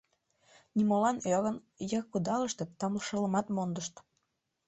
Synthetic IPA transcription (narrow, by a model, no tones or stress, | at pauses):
nʲimolɑnɑɣən | jɑkːud̪ɑləʃt̪ĕt̪ːɑmləʃə̆ləmɑt̪mond̪əʃt̪